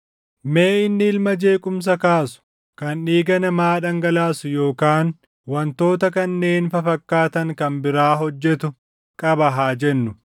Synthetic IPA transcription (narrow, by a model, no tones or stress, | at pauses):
me̞ːɪnːɪɪlmɐd͡ʒe̞ːkʼʊms̬ɐkaːsʊ̥ | kɐnᶑiːɡɐnɐmaːᶑɐŋɡɐlaːsʊjo̞ːkaːn | wɐnt̪o̞ːt̪ɐkɐnːe̞ːnfɐfɐkːaːt̪ɐŋkɐmbɪɾaːɦɔd͡ʒːɛt̪ʊ | kʼɐbɐɦaːd͡ʒɛnːʊ